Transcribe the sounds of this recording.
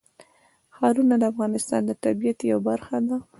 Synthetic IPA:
xɑɾunad̪əafɣɑnɪst̪ɑ̰nd̪ət̪abijat̪jawabaɾxad̪a

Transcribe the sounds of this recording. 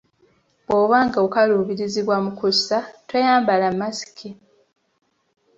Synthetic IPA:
bwoːβaːŋɡaokaluːβiɾiziβwamukusatwejaːmbalamːasi̥kʰi

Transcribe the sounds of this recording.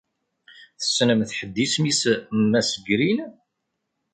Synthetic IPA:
θə̥snəmθħəd̪ːismismːæsəɡɾin

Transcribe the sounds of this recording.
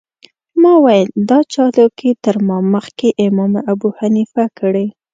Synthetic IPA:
mɑwajəld̪ɑt͡ʃɑlokit̪əɾmɑməxkeʔɪmɑmʔabuhanifakʰəɽe

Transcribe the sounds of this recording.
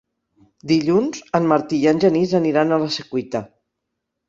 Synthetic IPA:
d̪iʎunzənmaɾt̪iənʲʒənizəniɾanaləsəkwit̪a

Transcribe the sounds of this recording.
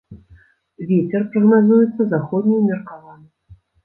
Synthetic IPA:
vʲet͡sʲɛrpɾɐɣnazujɛt̪sːɐzaxɔd̪nʲijmʲɛrkavanɨ

